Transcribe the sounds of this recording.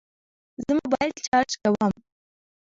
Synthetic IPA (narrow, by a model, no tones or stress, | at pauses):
zəmabɑjad̪̥t͡ʃɑɾt͡ʃkawəm